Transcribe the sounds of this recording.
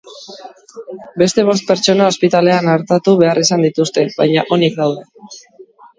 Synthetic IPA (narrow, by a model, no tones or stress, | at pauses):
be̞st̪e̞β̞o̞st̪̚pe̞ɾt͡ʃo̞nao̞spit̪ale̞anaɾt̪at̪uβe̞arisand̪it̪ust̪e̞βajɲaʔo̞nik̚d̪awðe̞